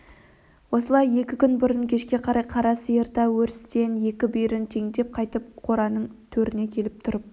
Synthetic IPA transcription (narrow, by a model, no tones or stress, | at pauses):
wo̞səlˠɑje̞kʲɪkʲʰʏnbʊɾənkʲʰe̞ʃkʲe̞qʰɑɾɑjqʰɑɾɑsəjəɾt̪ɑwɵɾɪst̪e̞nje̞kʲɪbʏjɾɪnt̪ʰe̞ŋd̪e̞p̚qʰɑjt̪əp̚qʰo̞ɾɑnəɴt̪ʰɵɾɪne̞kʲʰe̞lɪp̚t̪ʰʊɾəp̚